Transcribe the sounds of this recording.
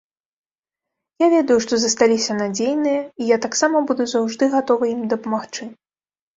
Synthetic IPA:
javʲɛd̪ɐjuʂt̪ɔzɐst̪alʲisʲɐnad͡zʲejnɨjɐijat̪aksamɐbud̪uzawʐd̪ɨɣat̪ɔvɐimd̪ɐpɐmaxt͡ʂɨ

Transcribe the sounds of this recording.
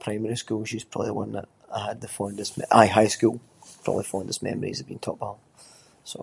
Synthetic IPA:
pʰɹ̥aɪ̃mɛɹiskʉlˠʃiz̥pʰɹ̥ɔ̰bəblˠḭwʌ̰̃nðə̰ʔ | aɪəd̪̚ðəfɔ̃ʊ̃nðɪsmɛʔaɪɦaɪskʉlˠpʰɹ̥ɔ̰bəblˠifɔ̃ʊ̃nðɪsmɛ̰məɹḭzəbḭ̃ntʰɔʔ̚b̥alˠ | so̰

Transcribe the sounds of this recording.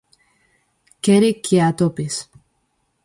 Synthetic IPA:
keɾikʰːiat̪opis

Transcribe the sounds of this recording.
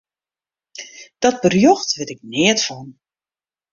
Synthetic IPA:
d̥ɔt̚bərjɔxtʋɪtɪk̚nɪətfɔn

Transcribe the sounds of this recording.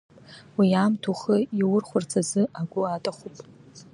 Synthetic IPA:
wiaːmtʰuχəiwʊrχʷʊrt͡sʰazɨaɡʷʊatʼaχupʼ

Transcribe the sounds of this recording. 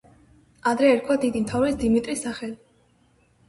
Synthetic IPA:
ad̪ɾɛːɾt̪kʰwad̪id̪imt̪ʰavɾɛisd̪imit̪ʼɾisaχɛli

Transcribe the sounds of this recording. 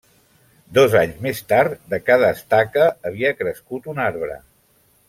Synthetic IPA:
d̪ɔzaɲzmest̪aɾt̪d̪əkað̞əːst̪akəːβiəkɾəskut̪unaɾβɾə̰

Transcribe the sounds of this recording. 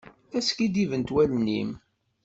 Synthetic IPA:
æskid̪ivənt̪wælnim

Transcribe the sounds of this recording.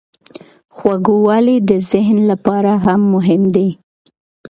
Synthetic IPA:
xwaɡowɑlid̪əzɪɦnlapɑɾaɦamːʊɦɪmd̪i

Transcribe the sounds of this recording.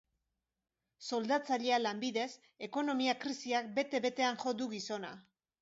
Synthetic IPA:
so̞ld̪at͡saʎe̞alambiðe̞s | e̞ko̞no̞miakɾisiak̚be̞t̪e̞βe̞t̪e̞anʝo̞d̪uɣiso̞na̰

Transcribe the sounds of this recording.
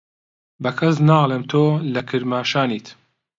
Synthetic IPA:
bɐkʰɐsnaːlˠeːmt̪ʰoːlɐkʰɨɾmaːʃaːniːt̪

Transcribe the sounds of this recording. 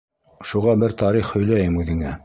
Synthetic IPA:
ʃuʁɑbɘɾt̪ɑɾiχhɵ̆jlæjɘmʉðɘ̆ŋæ

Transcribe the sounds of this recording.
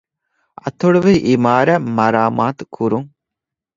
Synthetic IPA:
ɐ̰t̪oɽuʋeʔimaːɾæmɐɾaːmaːt̪u̥kʰuɾuŋ

